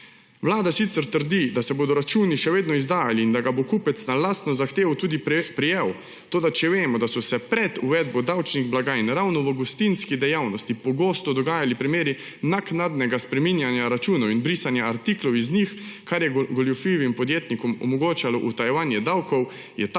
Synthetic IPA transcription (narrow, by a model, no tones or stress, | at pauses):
ʋlaːd̪asit̪səɾt̪əɾd̪id̪asɛboːd̪ɔɾat͡ʃuːniʃɛʋeːd̪nɔizd̪aːjaliːnd̪aɡabokuːpɛt̪snalaːst̪nɔzaxt̪eːwt̪uːd̪ipɾijew | t̪oːd̪at͡ʃɛʋeːmɔd̪asɔsɛpɾɛd̪uʋɛd̪̚bɔd̪awt͡ʃniɣblaɡaːjnɾawnɔʋəɡust̪inskid̪ɛjawnɔst̪ipɔɡoːst̪ɔd̪ɔɡaːjalipɾimeːɾi | naknad̪nɛɡaspɾɛminjanjaɾat͡ʃuːnɔwinbɾiːsanjaːɾt̪iklɔwiznixkaɾjɛɡɔljufiʋimpɔd̪jeːt̪nikɔmɔ̰mɔɡoːt͡ʃalɔʔut̪ajɛʋaːnjɛd̪awkɔw | jɛt̪